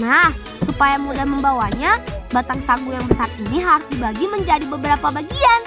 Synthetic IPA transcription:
nah | supajamudahməmbawaɲabat̪aŋsaŋɡujaŋbəsat̪̚iniɦaɾusd̪ibaɡiməɲd͡ʒadibəbəɾapabaɡian

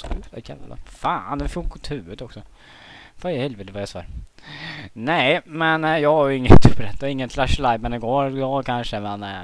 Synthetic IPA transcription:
ɛkʰal̰ːla̰fa̰ːnd̪ɛfʊlkʰɔt̪ʰhʉ̟ːət̪ɔksɔ | fɑhɛlveːt̪əvɑjɛsɑ̰ːɾ | nɛmɛnjɑːɡhaɾjɵɪŋːət̪ɵpɾɛt̪ːɾɪŋːət̪flaʂlajbɛnɪɡoːɾɡɑːkʰanʂəmɛn

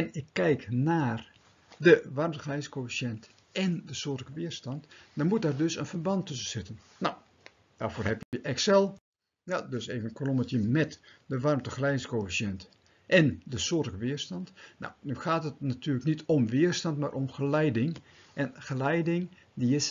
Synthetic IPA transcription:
ɛnɪkʰːɛjknaːr | dəʋarmtəxrɛjskofisjɛnt | ʔɛndəsoətəkəʋɪərstɑntdɔnmut̚daːrdøsənfərbɑntʰːøsənsɪtən | naw | d̥aːrfoːrɦɛpjəjəʔɛksɛlˠ | jadøseːvənkʰolomətjəmɛtdəʋarmtəxlɛjdɪŋskofisjɛnt | ʔɛndəsoəɾəkəʋɪərstɑntno̰wnyxaːtətnatʰyːləknitʰomʋɪərstɑntmaːrʔomxəlɛjdɪŋ | ʔɛnxəlɛjdɪŋ | diɪs

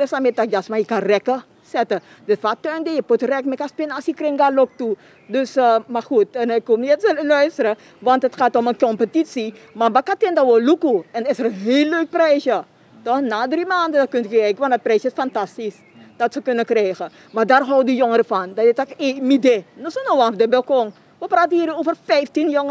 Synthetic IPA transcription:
dɛsamɪt̚akjasmajəkanrɛkə | sɛtə | dətfatøndejəputrɛkmɛkaspɪnasjəkrɪŋɡalok̚tu | døsəmaxutɛnɛkomniɛtsəlœɥstəɾə | ʋɑntətxaːtomənkompətisi | mabakatɪndaʋolukuɛndɪsəɾənɦeːlːøɥk̚prɛjsjə | tɔxnaːdrimaːndədakøntkərɛjkəʋɑndɑt̚prɛjsjəɪsfantastis | d̥ɑtsəkønəkrɛjxə | madarɦɔwdijoŋəɾəfɑndaɪtɔkemidenosonoʋanfdəbɪlˠkɔŋ | ʋəpraːtəhiːɾoːfərfɛjftinjoŋə

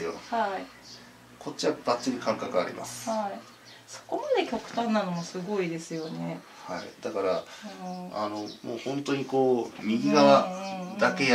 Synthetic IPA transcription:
joa | kʰo̞t̚t͡ɕiβabat͡ɕːiɲ̟ikãŋkakɯ̟a̰ɾʲḭmʔa̰sɨ̥ai | so̥ko̞mad̪e̞kʲo̞kɯ̟̥t̪ãnːanomosɨɡo̞id̪e̞sɨjo̞ne̞ | haḭd̪akaɾa | a̰no̞moːhõ̞nt̪o̞ɲ̟iko̞ːmʲiɡʲiɡaβad̪ake̞j

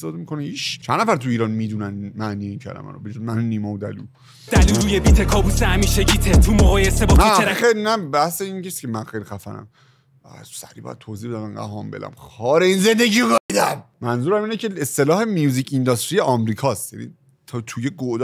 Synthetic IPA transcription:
seɒːd̪emikonehiːt͡ʃt͡ʃʰænːæfæɾt̪ʰuiːɾɒːnmid̪unænnmæʔniːjeincʰæ̰læ̰mæ̰ɾɔ̰bed͡ʒumænnːimɒod̪ælu | d̥̪æluːɾuːjebiːt̪ʰekʰɒːbusehæmiːʃeɡit̪ʰet̪ʰumohɒːjesebɔmææxejnæbæhseinŋkʰesi̥cʰemænxejɾxæfæ̰næ̰m | æ̰sæɾibɒ̰jæ̰d̪t̪ʰoziːb̪æmænɡæ̰ɦɒːmbe̞̰læ̰mxɒːɾeinze̞nd̪eɟiːoɡɒid̪æmmænzuːɾæmiːnecʰeest̪e̞lɒːhemijuːzicʰind̪ɒst̪ɾijeʔɒmɾiːkʰɒːst̪jæ̰nḭ | t̪ʰt̪ʰujeɡoʔd̪

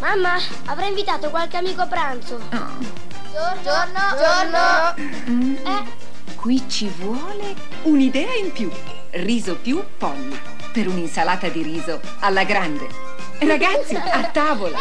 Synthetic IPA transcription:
mamːa | avɾaiɱvit̪aːt̪okwalk̟eamiːkopɾant̪so̰ | d͡ʒo | d͡ʒon | d͡ʒo | o | ɛ | kwit͡ʃivwɔːle | unid̪ɛːaimpju | riːzopju | pːɔlːi | peɾuninsalaːt̪ad̪iɾiːzo | alːaɡɾand̪e | raɡat̪sːiat̪ːaːvola

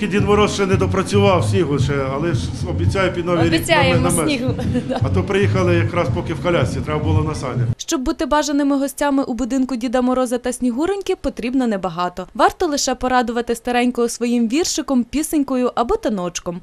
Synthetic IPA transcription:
kidʲid̪mɔɾɔsʃt͡ʃɛnɛd̪ɔpɾɐt͡sʲʊʋɑwsʲnʲiɦʊt͡ʃɛɐlˠɛ | ɔbʲit͡sʲajʊpʲid̪nɔʋʲiɾʲbʲit͡sʲajeɛmnɐmɛnʲiɦɐt̪ut̪pɾɪjixɐlˠɪjɐkɾɑspɔkɪwkɐlʲasʲit̪ɾɛbɐbʊlˠɔnɐsɑ̰nʲɐʃt͡ʃɔbːut̪ɪbɑʒɐnɪmɪɦɔsʲtʲamɪʔubʊd̪ɪnkʊdʲid̪ɐmɔɾɔzɐt̪ɐsʲnʲiɦuɾenʲkʲɪpɔt̪ɾʲibnɔnɛbɐɦɑt̪ɔʋɑrt̪ɔlˠɪʃɛpɔɾɑd̪ʊʋɐt̪ɪst̪ɐɾɛnʲkɔjʊsʋɔjimʋʲirʃɪkɔmpʲisɪnʲkɔjʊʔɐbɔt̪ɐnɔt͡ʃkɔm

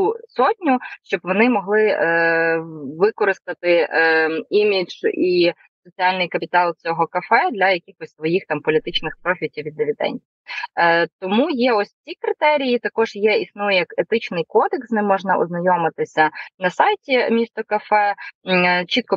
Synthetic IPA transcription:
usɔtʲnʲʊʃt͡ʃɔbʋɔnɪmɔɦlˠɪ | ʋɪkɔɾɪst̪ɐt̪ɪ | imʲid͡ʒ̥i | sɔt͡sʲialʲnɪjkɐpʲɪt̪ɑlˠt͡sʲɔɦɔkɐfɛd̪lʲɐjɐkʲixɔsʲsʋɔjixt̪ɑmpɔlʲit̪ɪt͡ʃnɪxpɾɔxʲitʲiʋʲid̪ːɪʋʲid̪ɛ̰nʲdʲi | t̪ɔmujɛɔsʲt͡sʲikɾɪt̪ɛɾʲijit̪ɐkɔʒjɛisnujjɐket̪ɪt͡ʃnɪjkɔd̪eksnɪmːɔʒnɐʔɔ̰znɐjɔmɪt̪ɪsʲɐnɐsɑjtʲimʲist̪ɔkɐfɛ | t͡ʃit̪̚kɔ

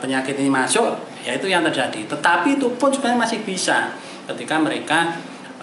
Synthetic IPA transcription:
pəɲakɪt̪inimasʊʔ | jait̪ujaŋt̪ərd͡ʒad̥it̪ət̪apiːt̪upʊnsu̥b̥aamasɪhb̥isa̰ | kət̪ikaməɾeka

